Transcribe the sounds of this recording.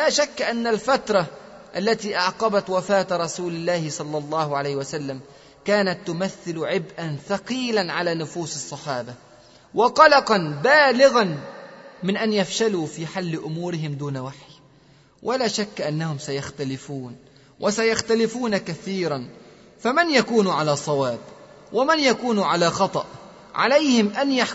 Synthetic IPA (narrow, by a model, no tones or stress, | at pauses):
laːʃakːʔanːalfat̪ɾˤɑ | ʔalːat̪iːʔɑʕqɑbat̪wafaːt̪ɾˤɑsuːlɪlːaːhɪsˤɑlːɑlˤːɑːhʊʕalajhɪwasalːam | kaːnat̪ːʊmaθːɪlʕɪbʔanfɑqiːlanʕalaːnʊfuːsɨsˤːɑħɑːba | wɑqɑlɑqɑnbaːlɪɣan | mɪnʔanjafʃaluːfiːħalːɪʔʊmuːɾɪɦɪmd̪uːnawaħj | wʔalaːʃakːʔanːahʊmsajaxt̪alɪfuːn | wʔasajaxt̪alɪfuːnakaθiːɾan | famanjakuːnʕalaːsˤɑwaːb | wamanjakuːnʕalaːxɑt̪ˤɑʔ | ʕa̰lajhɪmʔanjaħ